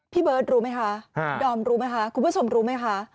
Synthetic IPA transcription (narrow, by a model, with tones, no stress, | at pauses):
pʰiː˥˩bɤː˦˥t̪̚ɾuː˦˥ma˦˥jkʰa˦˥˧dɔː˧˩mɾuː˦˥ma˦˥jkʰa˦˥kʰmbt͡ɕʰo˧mɾuː˦˥ma˦˥jkʰa˦˥